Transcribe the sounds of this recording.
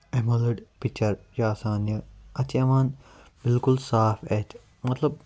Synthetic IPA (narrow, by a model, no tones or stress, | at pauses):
emɐlɐɖpik̚t͡ʃɐɾjaːsaːnjəɐt͡ʃiɐmaːn | bɪlkulsaːfeːt̪ | mɐt̪lɐb̚